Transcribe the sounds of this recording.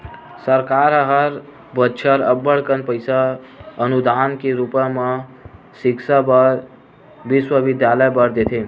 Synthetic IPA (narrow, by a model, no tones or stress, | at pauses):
səɾkaɾɦəɾ | bətːt͡ʃʰəɾəbːəɽkənpəɪsaənud̪ankeɾupəmə | sɪkʃabəɾ | ʋɪswəʋɪd̪jaləjbəɾd̪et̪ʰe